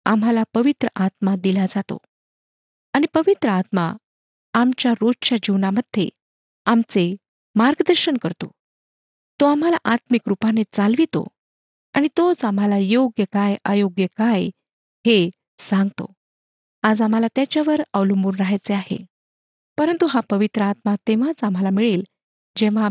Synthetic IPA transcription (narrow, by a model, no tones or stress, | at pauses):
a̰m̤ɦalapəʋit̪ɾəʔat̪mad̪ilad͡zat̪o̰ | aɽ̃ipəʋit̪ɾəat̪ma̰ | amt͡ɕjaɾodt͡ɕad͡ʑiʋnaməd̪ʱːḛ | amt͡se | maɾɡəd̪əɾɕənkəɾt̪o̰ | t̪oam̤ala̰ʔat̪mikɾupanet͡salʋit̪o̰ | aɽ̃it̪ot͡sam̤alajoɡjəkajʔajoɡjəkaj | he | sãŋɡt̪o̰ | ad͡zam̤alat̪jat͡ɕjaʋəɾaʋlumbuːnɾaɦajt͡seaɦḛ | pəɾənt̪uɦapəʋit̪ɾəat̪mat̪eʋ̤at͡sam̤alamiɭiːl | d͡ʑẽʋ̤a